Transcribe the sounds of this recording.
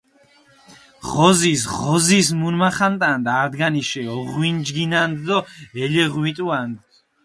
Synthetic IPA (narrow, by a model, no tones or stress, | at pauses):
ʁɔzisʁɔzismunmaχant̪ʼand̪aɾd̪ɡaniʃɛɔʁwind͡ʒɡinand̪d̪ɔɛlɛʁwit̪ʼuand̪